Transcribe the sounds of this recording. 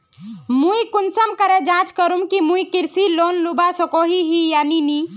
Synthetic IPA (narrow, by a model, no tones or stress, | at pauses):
mũikunsəmkəɾed͡ʒãt͡ʃkəɾumkimũikiɾsilonlubasɔkoɦiɦijanini